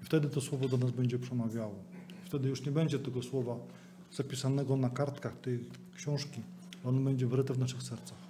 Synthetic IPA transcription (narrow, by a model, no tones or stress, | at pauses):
ift̪ɛd̪ɘt̪ɔswɔvɔd̪ɔnazbɛɲd͡ʑɛpʂɛmavʲjawɔift̪ɛd̪ɘjuʂɲɛbɛɲd͡ʑɛt̪ɛɡɔswɔva | z̥apʲisanɛɡɔnakaɾt̪kaxt̪ɛj | kɕɔ̃w̃ʂkʲi | lɔnbɛɲd͡ʑɛvɾɘt̪ɛvnaʂɘxsɛɾt̪sax